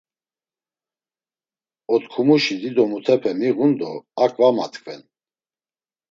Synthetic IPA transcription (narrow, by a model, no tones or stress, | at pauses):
ɔt̪kʰumuʃid̪id̪ɔmut̪ʰɛpʰɛmiɣund̪ɔakʼvamat̪ʰʼkʰʼvɛn